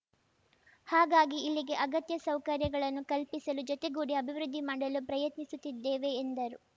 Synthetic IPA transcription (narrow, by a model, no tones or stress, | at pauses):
haːɡaːɡiːlːiɡe̞ʔɐɡɐt̪jɐsɐwkɐɾjɐɡɐɭɐnːukɐlpisɐlud͡ʒɔt̪eɡuːɽiɐbʱiʋɾud̪ʱːimaːɽɐlupɾɐjɐt̪nisut̪ːid̪ːeːʋe̞ːnd̪ɐɾu